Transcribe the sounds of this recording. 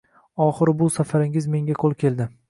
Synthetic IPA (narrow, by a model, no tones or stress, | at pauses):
ɒχɪɾbʊsafaɾɪŋɪzme̞ŋɡʲaqʰolˠkʲʰe̞lˠd̪ɪ